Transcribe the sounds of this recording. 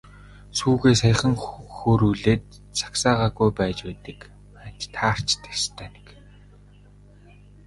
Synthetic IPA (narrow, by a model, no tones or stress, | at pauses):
suːɣeːsajə̆χə̆ŋxoːɾuːɮeːt̪̚ | t͡sʰḁksaːʁaːɣujpæːt͡ɕpæːt̪ə̆k | æ̥t͡ɕt̪ʰaːr̥t͡ɕt̪ʰe̥st̪ʰæːne̥k